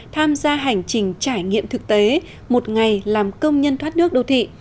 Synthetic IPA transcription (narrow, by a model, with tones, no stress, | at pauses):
t̪ʰaː˧mzaː˧ɦa˨˩jŋ̟t͡ɕï˨˩ŋ̟t͡ɕaː˧˩jŋḭ˧˨əmt̪ʰɨ˨˩k̚t̪e˨˦ | mo˨˩t̚ŋa˨˩jlaː˨˩mkə˧wŋ͡mɲə˧nt̪ʰwaː˦˥t̚nɨ˦˥ək̚ɗo˨˧˩wt̪ʰḭ˧˨